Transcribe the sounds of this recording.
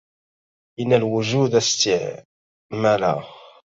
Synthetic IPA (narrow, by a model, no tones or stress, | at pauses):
ʔənːælwʊʒud̪æst̪ɪʕ | mæla̰